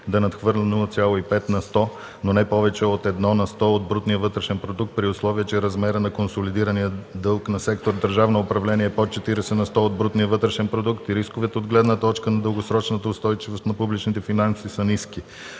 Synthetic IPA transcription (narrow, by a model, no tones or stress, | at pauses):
d̪ɐnɐt̪xvɤɾlʲɛnʊt̪sʲalˠoipɛt̪nɐst̪ɔ | nonɛpɔvɛt͡ʃɛot̪ɛd̪nɔnɐst̪ɔod̪̚bɾut̪nijəvɤt̪ɾɛʃɛnpɾod̪uk̚t̪̚pɾiʊslˠɔviət͡ʃɛɾɐzmɛɾənɐkonsolid̪iɾɐnijəd̪ɤlˠknɐsɛkt̪oɾd̪əɾʒavnoopɾɐvlɛniɛːpot̪t͡ʃɛt̪iɾɛsɛnɐst̪ɔod̪̚bɾut̪nijəvɤt̪ɾɛʃɛnpɾod̪ukt̪iɾiskovɛt̪ɛod̪ɡlɛd̪nət̪ɔt͡ʃkənɐd̪əlˠɡosɾɔt͡ʃnət̪əʊst̪ɔjt͡ʃivost̪nɐpublit͡ʃnit̪ɛfinansisɐniski